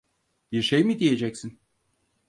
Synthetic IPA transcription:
b̥iɾʃejmid̪ije̞d͡ʒɛcsin

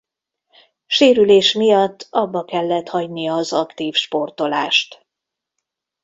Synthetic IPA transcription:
ʃeːɾyleːʃmijɒt̪ːɒbːɒkɛlːɛt̪hɒɟnijɒːzɒkt̪iːfʃpo̞rt̪o̞laːʃt̪

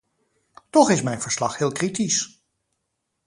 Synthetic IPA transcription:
tɔχɪsmɛjnv̥əɹslɑχhɪːlˠkritis

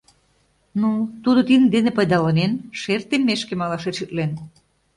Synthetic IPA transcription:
nut̪ud̪ot̪ind̪enepəjd̪ɑlɑnenʃert̪emːeʃkemɑlɑʃet̪ʃyt̪len

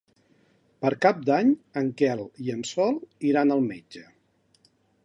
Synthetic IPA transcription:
pəɾkap̚d̪aɲəŋkɛlˠiənsɔlˠiɾanəlˠmed͡ʒə

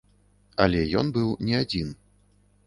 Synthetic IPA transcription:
ɐlʲɛjɔ̰nbɨwnʲɛad͡zʲin

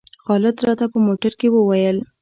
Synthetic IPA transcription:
xɑlɪd̪ɾɑt̪apəmoʈaɾkewəwajəl

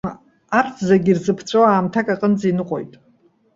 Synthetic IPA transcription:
art͡sʰzaɡʲirzɨpʰt͡sʷʼoaːmtʰakʼaqʼənd͡zinɨqʷʼo̞̰jtʼ

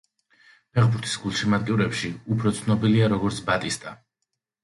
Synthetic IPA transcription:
pʰɛʁbuɾt̪ʰi̥sɡulˠʃimat̪ʼkʼiuɾɛpʃiupʰɾɔt̪sʰnɔbiliaɾɔɡɔɾt̪sʰbat̪ʼist̪ʼa

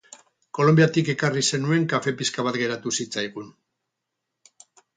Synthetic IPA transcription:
ko̞lo̞mbijat̪ike̞karise̞nue̞ŋkafe̞piskaβat̪ɡe̞ɾat̪usit͡sajɣ̞un

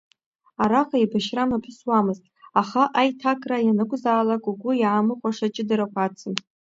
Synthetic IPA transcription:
aɾaqʼaibaʃramapʰɨswamɨztʼaχaʔajtʰakʼrajanɨkʷʼzaːlakʼuɡʷʊjaːmɨqʷʼaʂat͡ʃʼɪdaɾakʷʰat͡sʰɨn

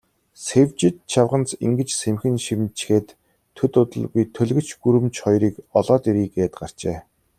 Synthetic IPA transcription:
sewʲt͡ɕɪ̆t̪̚t͡ɕʰawʁə̆nt͡sḭŋɡɘ̆t͡ɕsemxɘ̆nʃimt͡ɕxeːt̪ʰː | ɵt̪ʊt̪ə̆ɮɣujt̪ʰɵɮɣɵ̆t͡ɕɡuɾɘ̆mt͡ɕχɔjɾiːkɔɮɔːt̪iɾiːɡeːt̪ɢar̥t͡ɕeː

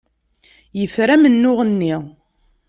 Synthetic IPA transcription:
jəfɾæmənːʊʁənːi

